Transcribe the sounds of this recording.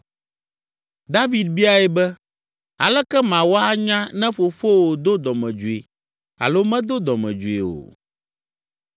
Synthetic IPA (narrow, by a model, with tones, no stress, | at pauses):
d̪a˦vi˨d̪̚bi˦a˨ɛ˨bɛ˦ | a̰˨lɛ˦kɛ˦mã˨wo˦a˦ɲã˦nɛ̃˦fo˨fo˦wo˨d̪o˦d̪ɔ˨mɛ̃˨d͡ʒu˨ḛ˨ | a̰˨lo˦mɛ̃˦d̪o˦d̪ɔ˨mɛ̰̃˨d͡ʒu˨ḛ˨o̰˨